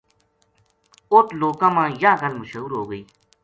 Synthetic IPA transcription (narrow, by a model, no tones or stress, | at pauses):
oːt̪loːkãːmãːjãːkənməʃəuːɾɦoːɡəiː